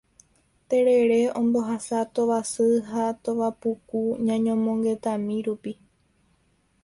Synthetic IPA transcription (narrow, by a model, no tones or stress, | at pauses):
t̪e̞ɾe̞ɾe̞õmbo̞ɦasat̪o̞ʋasɨɦat̪oʋapukuɲãɲõmõŋɡe̞t̪ãmĩɾupi